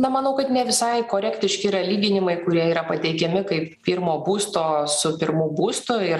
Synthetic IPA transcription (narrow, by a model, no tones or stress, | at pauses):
nɐmɐnɐʊkɐt̪nʲɛʋʲɪsɐɪkoːɾʲɛkt̪ʲɪʃʲkʲɪɾɐlʲiːɡʲɪnʲɪmɐɪkʊɾʲiɛiːɾɐpɐt̪ʲɛɪkʲɛmʲɪkɐɪppʲiːɾmoːbuːst̪oːsʊpʲɪɾmuːbuːst̪ʊɪɾ